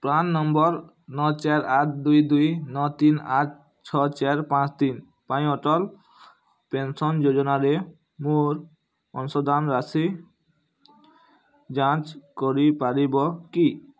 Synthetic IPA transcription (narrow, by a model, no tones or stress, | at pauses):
pɾanːɔmbɔɾ | nɔt͡ʃaɾaʈʰd̪ujd̪ujnɔt̪inaʈ̚ | t͡ɕʰɔt͡ʃeɾpãt͡ɕt̪in | paj̃ɔʈɔl | pensɔnd͡ʒod͡ʒɔnaɾe | muɾ | ɔnsɔd̪anɾasi | d͡ʑãt͡ʃkɔɾipaɾibɔki